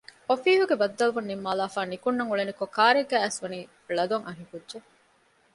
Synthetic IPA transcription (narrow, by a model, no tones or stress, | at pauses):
ofiːɦuɡebɐd̪ːɐluʋunːimːaːlaːfaːnikunːɐŋuɭenikokaːɾeɡæːæsʋɐniː | ɭɐd̪oŋʔɐɦikudʒe